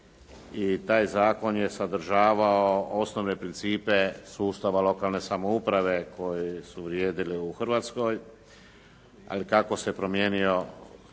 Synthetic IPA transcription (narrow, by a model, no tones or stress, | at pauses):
it̪aːjzaːko̞nje̞sad̪ɾ̩ʒaːʋaoo̞snoʋne̞pɾint̪siːpe̞suːst̪aʋalo̞kaːlne̞samoupɾaʋe̞kʰo̞jisuʋɾjeːd̪iliuxr̩ʋaːt̪sko̞j | a̰likako̞sepɾo̞mjeːnio̞